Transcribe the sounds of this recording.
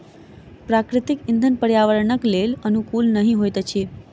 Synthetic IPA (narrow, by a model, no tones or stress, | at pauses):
pɾakɾɪt̪ɪkɪnd̪ʱənpəɾjaʋəɾɳəklelənukulnəɦĩɦojt̪at͡ʃʰe